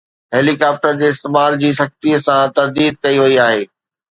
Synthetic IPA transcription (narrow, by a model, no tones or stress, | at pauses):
ɦeːlikaːp̚ʈəɾd͡ʑeːɪst̪eːmaːld͡ʑiːsɐx̚t̪iəsãt̪ɐɾd̪iːd̪̚kɐiʋɐiaːɦeː